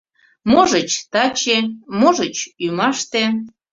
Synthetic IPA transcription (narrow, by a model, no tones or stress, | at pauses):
moʒət͡ɕt̪ɑt͡ɕemoʒət͡ɕymɑʃt̪e